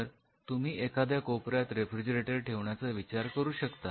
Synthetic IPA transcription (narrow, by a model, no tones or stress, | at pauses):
əɾ | t̪um̤iːʔekad̪jakopɾjat̪ɾefɾid͡ʑəɾeʈəɾʈʰeʋɳjat͡səʋit͡ɕaɾkəɾuːɕəkt̪a